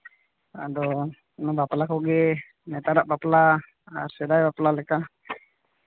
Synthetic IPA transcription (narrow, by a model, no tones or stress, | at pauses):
adɔ | nabaplakɔɡɛ | nɛt̪aɾaʔbaplaː | sɛdajbaplalɛka